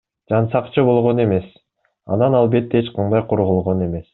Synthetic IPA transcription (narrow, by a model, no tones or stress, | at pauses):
d͡ʒɑnsɑqt͡ʃʰɯbo̞lˠʁo̞ne̞me̞s | ɑ̰nɑnɑlˠbe̞t̪ːeet͡ʃqʰɑnd̪ɑjqʰoɾʁolˠʁo̞ne̞me̞s